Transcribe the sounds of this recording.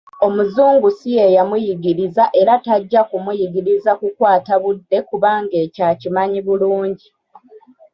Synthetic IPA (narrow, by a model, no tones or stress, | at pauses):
o̞muzuːŋɡusijejamujiɡiɾizaʔe̞ɾataɟːakumujiɡiɾizakukwaːtaβudːe̞kuβaːŋɡe̞ːcaːcimaɲiβuluːɲɟi